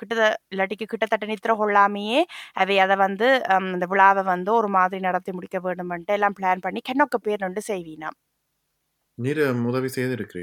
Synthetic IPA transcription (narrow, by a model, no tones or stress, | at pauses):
kɪʈːɐtɪlːɐʈːɪkːɯkɪʈːɐt̪ːɐʈːɐnɪt̪ːɪɾɐkɔɭːaːmejeːʔɐʋɛɐðɐʋɐnd̪ɯɪnd̪ɐʋɪɭaːʋɐʋɐnd̪ɯɔɾɯmaːðɪɾinɐɽɐt̪ːɐɪmʊɽɪkːɐʋeːɳɖɯmɐnʈːɯɛlːaːmpɪɭaːnpɐɳːikɛɳːɔkːɯpeːɾnɔɳɖɯsɛjʋiːna̰ːm | niːɾʊðɐʋisɛjɐðɪɾɯkːɪɾḛː